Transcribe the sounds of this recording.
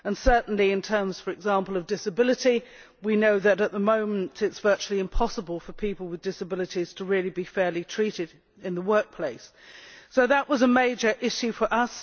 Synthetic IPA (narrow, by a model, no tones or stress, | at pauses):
ə̃nsɜ˞ʔn̩liɨ̃ntʰɜ̃˞mz̥fə˞ɨɡzɑ̃mpəlˠʌvdɪsɨbɪlˠɨti | winoʊðɨɾət̪̚ðəmõʊ̃mɨ̃ntʰɪtsv̥ɜˑ˞t͡ʃulˠiɨ̃mpʰɑsəbəlˠfə˞pʰipəl̩ˠwɨðdɪsəbɪlˠəɾiz̥tʰəɹɪlˠibifɛɹlitʰɹ̥iɾɪɾ | ɨ̃nðəwɜˑ˞k̚pʰl̥eɪs | oʊðəʔwʌzəmeɪd͡ʒə˞ʔɪʃʉfə˞ʔʌs